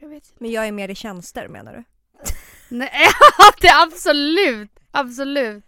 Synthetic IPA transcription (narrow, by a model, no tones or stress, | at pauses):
mɛnjɑːɡæɾmeːɾɪɕɛnst̪ə̰ɾmḛːna̰ɖɵ̰ | nɛd̪ɛabsɔlʉ̟ːt̪ | absɔlʉ̟ːt̪